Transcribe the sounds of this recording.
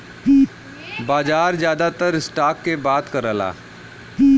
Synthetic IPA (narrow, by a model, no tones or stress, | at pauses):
baːd͡ʒaːɾzjaːd̪at̪əɾɪsʈaːkːebaːt̪kəɾəla̰ː